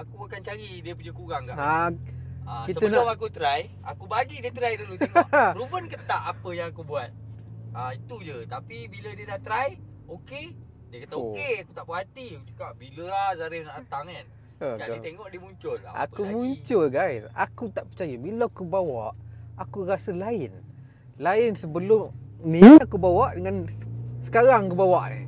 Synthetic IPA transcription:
akubakant͡ʃaɣidiəpud͡ʒəkuɣaŋka̰ʔa | akisəənʊmakut̪ɾaj | a̰kubaɡidiət̪ɾajdulut̪eŋɾubənkət̪aʔapəjaŋakubuat̪̚ait̪ud͡ʒət̪apibilədiədat̪ɾaj | oke | diəkat̪aokeakut̪aʔpəɦat̪iakut͡ʃu̥kabiləahzaɾɪnaʔat̪aŋan | əd͡ʒait̪eŋɔʔdiəmuɲt͡ʃʊlʔa̰kumuɲt͡ʃʊlɡajsa̰kut̪aʔpərt͡ʃajabilakubawaʔakurasəlaɪn | laɪnsəbəlʊmniakubawaʔdəŋansə̥kaɾaŋkəbawaʔnḭ

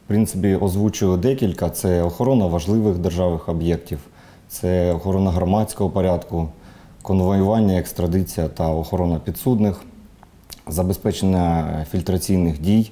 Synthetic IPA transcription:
pɾɪnt̪sɪpʲiʔɔzʋut͡ʃʊjʊd̪ɛkʲilʲkɐt̪sɛɔxɔɾɔnɐʋɐʒlˠɪʋɪxd̪erʒɑʋɪxɔbjɛktʲiw | t̪sɛɔxɔɾɔnɐɦɾɔmɑt͡sʲkɔɦɔpɔɾʲɑd̪kʊ | kɔnʋɔjʊʋɑnʲːɐekst̪ɾɐd̪ɪt͡sʲijɐt̪ɐɔxɔɾɔnɐpʲid̪sud̪nɪx | zɐbespɛt͡ʃenʲːɐfʲilʲt̪ɾɐt͡sʲijnɪxdʲij

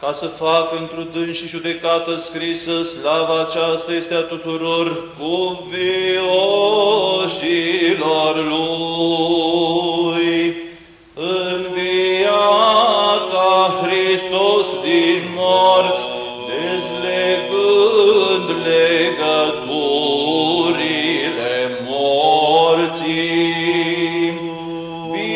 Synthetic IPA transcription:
kasəfakəɨnt̪ɾud̪ɨnʃiʒud̪e̞kat̪əskɾisəslavaːt͡ʃast̪aje̞st̪eat̪ut̪uɾo̞rkuvio | silorlu | j | ɨnvia | kakɾist̪ost̪inmɔɾt͡s | d̪ezlepənd̪leɡəɡo | ɾilemɔɾt͡si | i

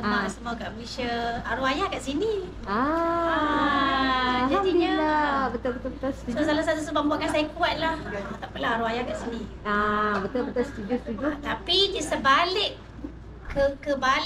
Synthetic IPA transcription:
səmaasəmokaʔəisəaɾuajakaʔsini | a | d͡ʒad̪iiɲalabət̪albət̪albət̪alst̪usosalahsat̪usubaʔmbuaʔkansajakuat̪̚laht̪aʔpəlaɦaɾuajakaʔsini | abət̪albət̪alst̪udiost̪ud͡ʒot̪apikisəbalɪkː | əkəba

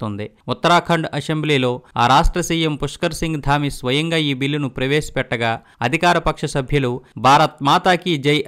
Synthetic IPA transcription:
t̪ond̪i | ut̪ːɐɾaːkʰɐɳɖɐsembliːlo̞ːaːɾaːʂʈɾɐsiːjempuʂkɐɾsiŋɡd̪ʱaːmisʋɐjɐŋɡaːiːbilːunupɾɐʋeːsi̥pɛʈːɐɡaː | ɐd̪ʱikaːɾɐpɐkʂɐsɐbʱjɐlubʱaːɾɐt̪̚maːt̪aːkid͡ʒɐj

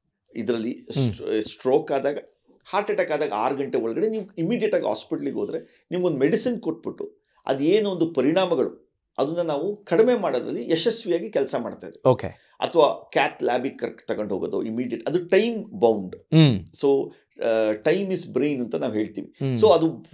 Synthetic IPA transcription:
id̪ɾɐlːissʈɾoːkaːd̪aːɡɐ | haːɾʈɐʈakːaːd̪aːɡɐaːɾɡɐɳʈeɔɭɐɡɐɽeniːʋuimiːɖijɛʈːaːɡḭɦa̰ːspiʈɐliɡoːd̪ɾe̞ | niːʋuond̪ume̞ɽisinko̞ʈ̚ːbiʈːu | ɐ̰d̪eːnond̪upɐɾiɳaːmɐɡɐɭu | ɐd̪unːɐnaːʋukɐɽime̞ːmaːɽod̪ɾɐ̰lːiʔeʃɐsʋijaːɡikɛlsɐma̰ːɽt̪aːjd̪eoːkḛ | ɐ̰t̪ʰɐʋaːkæːt̪laːbikɐɾt̪ɐɡoɳɖɦoːɡoːd̪o̰imiːɖijɐʈɐd̪uʈɐjmbɐwɳɖso̞ː | ʈɐjmisbɾiːnɐnt̪ɐnaːʋɦe̞ːɭt̪iːʋiso̞ːɐd̪u

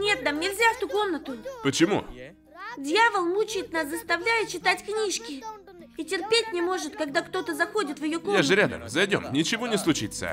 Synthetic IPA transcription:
nʲe̞t̪̚d̪amnʲɪlʲzʲaft̪uko̞mnət̪ʊpət͡ɕɪmṵ | dʲjavəlˠmut͡ɕɪjɪt̪naszəst̪ɐvlʲæjɪt̪̚t͡ɕɪt̪atʲknʲiʂkʲɪ | itʲɪrpʲetʲnʲɪmo̞ʐɨt̪kɐɡd̪akt̪o̞t̪əzɐxo̞dʲɪt̪vʲjɪjo̞koaʐɨɾʲad̪ə̰mzɐjdʲo̞̰mnʲɪt͡ɕɪvonʲɪslˠʊt͡ɕit̪sə̰

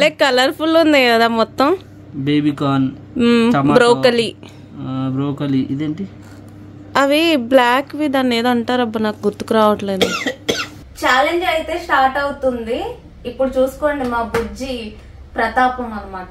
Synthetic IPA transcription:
ɐleːkɐlɐɾpʰulund̪iɡaːd̪aːmɔt̪ːɐm | beːbikaːn | t͡ʃɐmbɾoːkɐli | bɾoːkɐliid̪eːɳʈi | ɐʋiblaːkʋiːd̪aːnːeːd̪ɐɳʈaːɾɐbɐnaːkuɡuɾt̪ːu̥kuɾaːʋɐʈle̞ːd̪u | t͡ʃaːleɲd͡ʒɐjit̪e̞ːsʈaːɾʈɐwut̪und̪iː | pːuɽut͡ʃuːsu̥koːɳɖimaːbud͡ʒi | pɾɐt̪aːpɐmɐlːɐmaːʈɐ

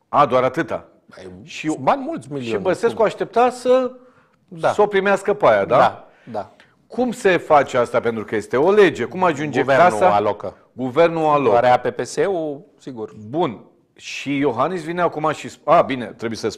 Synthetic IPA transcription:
ad̪oaɾat̪ɨt̪a̰ | ʃianmult̪sʲmilʃioibəse̞skkoaʃt̪e̞p̚t̪asə | d̪aso̞pɾimeaskəpajad̪aa | d̪a | kʰumse̞fat͡ʃeast̪ape̞nt̪ɾukəje̞st̪e̞o̞le̞d͡ʒe̞kumaʒund͡ʒevansaalokə | ɡuve̞rnualoaɾeapepeseusiɡurbun | ʃijo̞ɦanisvineakumaʃisabine̞̰t̪ɾebujesəs

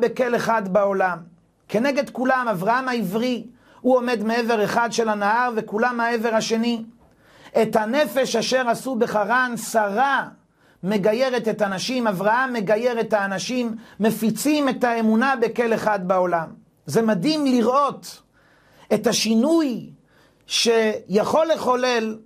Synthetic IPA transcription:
be̞ke̞le̞χadbao̞lam | ke̞ne̞ɡe̞d̪kulamavʁahamaivʁi | huo̞me̞d̪me̞eve̞ʁe̞χadʃe̞lanaaʁvekulamhae̞ve̞ʁhaʃe̞ni | e̞thane̞fe̞ʃaʃe̞ʁasube̞χaʁansaʁa | me̞ɡaje̞ʁe̞t̪e̞tanaʃimavʁahamːe̞ɡaje̞ʁethaːnaʃimːefit͡sime̞t̪ae̞munabe̞ke̞le̞χad̪bao̞lam | zemad̪imliʁʔo̞t | e̞t̪haʃinuj | ʃejaχo̞lːe̞χo̞lel

